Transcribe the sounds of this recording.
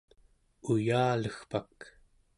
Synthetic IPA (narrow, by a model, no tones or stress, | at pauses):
ujaːləxpak